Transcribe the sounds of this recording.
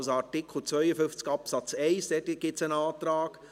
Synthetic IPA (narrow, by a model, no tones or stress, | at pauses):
sɑɾtɪkχl̩ˠt͡sʋvœʏəfʏft͡skɑpsɑt͡sɛɪsd̥ɛtɪɡ̥ɪt͡sənaːt̪ɾaːɡ̥